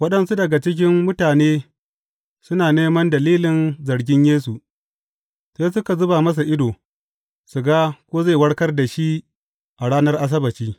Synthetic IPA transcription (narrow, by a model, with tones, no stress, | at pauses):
wɐ˦ɗɐ˨nsu˦dɐ˨ɡa˨t͡ʃɪ˦k̬ʲɪ˦mːʊ˦taː˨neː˦ | sʊ˦naː˨neː˦mɐ˦ndɐ˨liː˦lɪ˨nzɐ˨ɾɡʲɪ˦ɲjeː˦su˨ | se˦sʊ˦ka˨zʊ˦ba˨mɐ˦s̬a˨ʔɪ˦doː˨ | su˨ɡaː˦kʷoː˦ze˦˨wɐ˦ɽkɐ˦rda˨ʃi˦ | ʔa˨ɽaː˦nɐ˦rʔa˦s̬ɐ˦bɐ˨t͡ʃiː˦